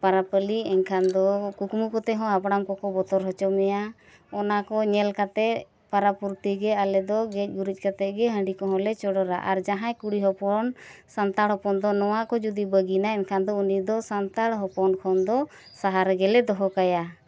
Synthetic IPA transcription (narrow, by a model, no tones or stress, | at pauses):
paɾapəliɛnkʰand̪ɔkukmukɔt̪ɛɦɔ̃abɽamkɔkɔbɔt̪ɔɾɦɔt͡ʃɔmɛja | ɔnakɔɲɛlkat̪ɛʔ | paɾapuɾt̪iɡɛalɛd̪ɔɡɛc̚ɡuɾic̚ˀkat̪ɛʔ̚ɡɛɦə̃ɳɖikɔɦɔ̃lɛt͡ʃɔɽɔɾaʔaɾd͡ʒaɦãkuɽiɦɔpɔnsant̪aɽɔpɔnd̪ɔnɔwakɔd͡ʒud̪ibəɡinaɛnkʰand̪ɔunid̪ɔsant̪aɽɦɔpɔnkʰɔnd̪ɔ | saɦaɾɡɛlɛd̪ɔɦɔkaja